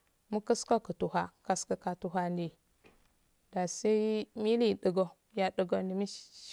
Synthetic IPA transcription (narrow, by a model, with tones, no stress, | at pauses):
mu˦kə˦sko˦kə˨tu˨hʷa˦ka˨skə˦ka˨tu˨ɦa˦ndi˨ | da˨si˦mi˦li˦˨ɗə˨ɡo˦ | ja˨ɗə˨ɡo˦ndi˨mi˦